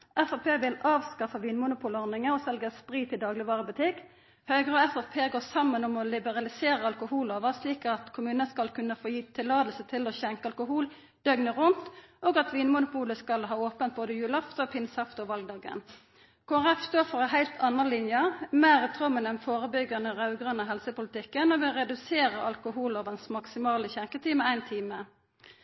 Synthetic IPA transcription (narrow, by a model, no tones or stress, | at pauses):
ʔɛfɑpʰeːʋɪlɑːʋskɑfəʋiːnmʊnʊpʰuːləɔʁnɪŋəʁɔsɛlɡəspʁiːt̪ɪd̪ɑːɡlɪʋɑːʁəbʉt̪ʰɪkː | høɡʁəɔɛfɛfpʰeːɡoːʁsɑmːənɔmɔlɪbəʁɑlɪseːʁəɑlkʊhuːloːʋəsliːkɑt̪kʰʊmʉːnəskɑlkʰʉnːəfoːjiːt̪ʰɪlːɑːd̪əlsət̪ʰɪloçɛŋkəɑlkʊɦuːl | d̪̥œɡnəʁʊnt̪oːɡɑt̪ʋiːnmʊnʊpuːləskɑlɦɑːoːpənt̪̚boːd̪əjʉːlɑft̪opʰɪnsɑft̪oʋɑlɡ̚d̪ɑːɡə̰n | kʰoːænɛfst̪oːʁfɔʁɛɦæɪlt̪ʰɑnːənlɪnjəmæːʁət̪ʰʁɔmːənɛnfoːʁəbʏɡɑnəʁɑʉɡʁɑnəɦɛlsəpʊlɪt̪ɪkːənɔʋɪʁɛd̪ʉseːʁəʔɑ̰lkʊɦuːloːʋənsmɑksɪmɑːləçɛŋkət̪ʰiːməæɪnt̪ʰiːmə